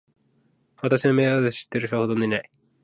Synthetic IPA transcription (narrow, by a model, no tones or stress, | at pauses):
βat̪aɕiβame̞ːβad̪eɕi̥t̪ːeɾɯɕo̞ːhod̪oneinai